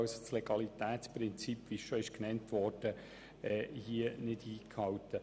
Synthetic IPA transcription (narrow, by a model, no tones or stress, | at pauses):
wsosleɡ̥ɑlit̪æːt̪t͡spɾɪnt͡sipːʋisʃɔɪʃknɛntʋɔɾd̥ə | ɛːhiənɪdiːkʰhɑwtə